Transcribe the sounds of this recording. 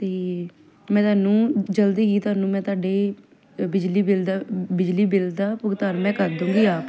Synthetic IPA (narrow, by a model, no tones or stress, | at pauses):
t̪eː | mɛ̃ːt̪ʊaːnũːd͡ʒəld̪iːɡiːt̪ʊaːnũːmɛ̃ːt̪ʊaːɖeː | bɪd͡ʒliːbɪld̪aːbɪd͡ʒliːbɪld̪aːpʊɡt̪aːɾmɛ̃ːkəɾd̪ũːŋɡiːaː